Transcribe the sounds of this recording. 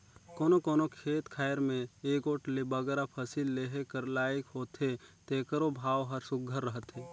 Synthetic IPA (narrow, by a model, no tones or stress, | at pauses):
koːnokoːnokʰeːt̪kʰaːjəɾmẽeːkoːʈlebəɡɾapʰəsilːeɦekəɾlaːɪkɦoːt̪ɦet̪eːkəɾobʱaːʋɦəɾsʊɡʱəɾːəɦət̪ɦeː